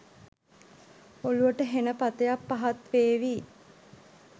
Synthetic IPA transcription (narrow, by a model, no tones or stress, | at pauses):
oluʋəʈəɦenəpat̪əjapːaɦat̪ʋeːʋi